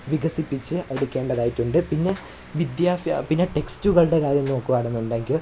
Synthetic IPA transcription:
ʋiɡɐsipːit͡ɕːɨʔeɽukʲːe̞ːɳɖɐðaːjitːuɳɖɨpinːe̞ | ʋid̪jaːfjɐ̰pinːe̞ʈe̞kstuɣɐɭɨɽe̞kaːɾjɐmno̞ːkːuɐːɽɐnːuɳɖeːŋɡil

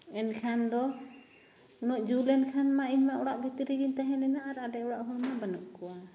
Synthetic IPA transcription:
ɛnkʰand̪ɔ | unɔʔd͡ʒulɛnkʰanmaiɲmaʔɔɽaʔbʱit̪ɾiɡint̪aɦɛnɛnaaɾaʔɖɛɔɽaʔɦɔmabanuʔkɔwa

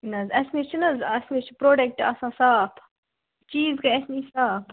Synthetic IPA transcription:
nɐzɐsmit͡ʃʰinɐzɐsmit͡ʃʰipɾoːɖek̚ʈɐ̰sãːsaːpʰ | t͡ʃiːzkɐɐsnisaːpʰ

